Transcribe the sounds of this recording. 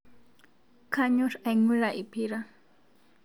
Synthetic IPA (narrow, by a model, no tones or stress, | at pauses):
kʰaɲʊɾajŋʊlaʔɪpɪɾa